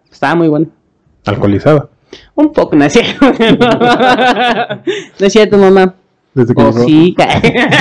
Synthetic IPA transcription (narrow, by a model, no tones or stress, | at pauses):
st̪aamujweno | alkolisaβa | umpokonasjeɾoeno | nasjiat̪umama | d̪ezðekksika